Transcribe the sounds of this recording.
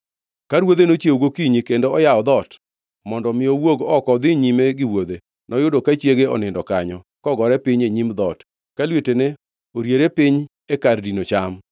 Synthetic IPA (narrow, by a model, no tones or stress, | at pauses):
kaɾwod̪enot͡ʃjeuɡokiɲikendoɔjaɔd̪ɔt | mɔndɔmɪɔwoɡɔkɔd̪ɪɲimeɡɪwod̪e | nɔjʊdokat͡ʃjeɡeɔ̰nɪndɔkaɲɔ | kɔɡɔɾɛpɪɲeɲimd̪ɔt | kalwetenɛ | oɾjeɾepɪɲ | ekardinot͡ʃam